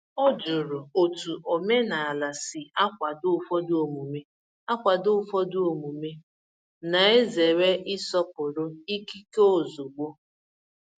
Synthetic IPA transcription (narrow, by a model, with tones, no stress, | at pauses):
ɔ˦d͡ʒʊ˨ɾʊ˨o˨tu˨ʔo˨me˦na˨a˨la˨sɪ˨a˦kʷa˨dʊ˦˨fɔ˦dʊ˦o˨mu˨me˦ | a˦kʷa˨dʊ˦fɔ˦dʊ˦o˨mu˨me˦ | na˨e˦ze˨ɾe˦ʔɪ˦sɔ˦pʊ˨ɾʊ˦i˦ki˦ko˦zʊ˨ɡ͡bo˦